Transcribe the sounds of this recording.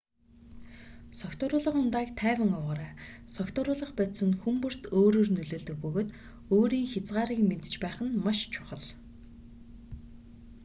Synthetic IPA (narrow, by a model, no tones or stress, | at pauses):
sɔkt̪ʊːɾʊːɮə̆χʊnt̪aːkt̪ʰæːwʲə̆ŋɔwʁaːɾæːsɔkt̪ʊːɾʊːɮə̆χpæt̪sə̆nxumpɵ̆r̥t̪ʰoːɾoːrnɵɮoːɮt̪ɵ̆k̚pɵɣoːt̪ | oːɾiːŋxʲat͡sɢaːɾiːkment̪ɘ̥̆t͡ɕpæːχə̆nmaʃt͡ɕʰʊ̥χə̆ɮ